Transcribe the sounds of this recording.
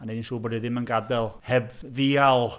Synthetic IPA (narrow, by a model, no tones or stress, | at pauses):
anedinsuːbɔdɨðɪmənɡadɛlˠhɛbðialˠ